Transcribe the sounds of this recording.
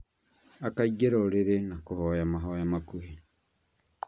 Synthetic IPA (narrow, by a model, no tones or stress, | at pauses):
akaiɡeɾoɾeɾenakohojamaɦojamakuhe